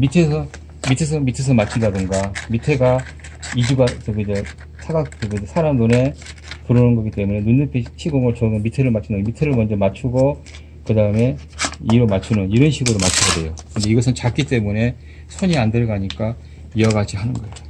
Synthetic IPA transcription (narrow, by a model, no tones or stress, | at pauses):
mitʰesʰʌ | mitʰes̬ʰʌmitʰes̬ʰʌmat͡ɕʰindadɯŋɡamitʰe̞ɡa | id͡ʑuɡat͡ɕʌɡed͡ʑe | sʰaɡat͡ɕʌɡed͡ʑesʰaɾamnone̞puɾʌnɯnɡʌɡit͈e̞mune̞nundɯpʰiɕʰiɡoŋɯɭt͡ɕʌɡʌmitʰe̞ɾɯɭmat͡ɕʰindamitʰe̞ɾɯɭmʌnd͡ʑʌmat͡ɕʰuɡo | kɯdaɯme̞iɾomat͡ɕʰunɯniɾʌnɕʰiɡoɾomat͡ɕʰiɡʌdejokɯnde̞iɡʌs̬ʰɯnt͡ɕak͈it͈e̞mune̞ | sʰoɲiandeɭɡaɲik͈a | ijʌɡad͡ʑihanɯnɡʌeo